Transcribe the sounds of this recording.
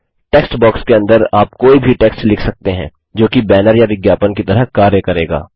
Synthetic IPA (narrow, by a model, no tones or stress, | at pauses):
ʈeːksʈbɔːkskeɐ̃nd̪əɾaːpkoːibʱiʈeːksʈlɪkʰsɐk̚t̪eɦɛ̃ː | d͡ʒoːkibɛːnəɾjaʋɪɡjaːpənkit̪ɐɾəɦkaːɾjəkɐɾeːɡa̰ː